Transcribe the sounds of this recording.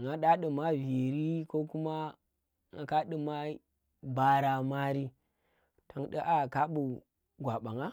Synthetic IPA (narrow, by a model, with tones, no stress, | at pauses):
ŋa˦ɗa˦ɗə˨ma˦vi˨ɾi˦ko˦ku˦ma˦ | ŋa˨ka˦ɗə˨ma˦ | ba˦ɾa˨ma˦ɾi˦ | ta˨ŋɗə˦ʔa˦˨ka˦ɓu˨ | ɡʷa˨ɓa˨ŋa˦